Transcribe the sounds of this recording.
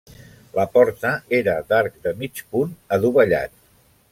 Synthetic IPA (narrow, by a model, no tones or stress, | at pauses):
ləpɔɾt̪əeɾəd̪aɾk̚d̪əmit͡ʃpunəðuβəʎa̰t̪̚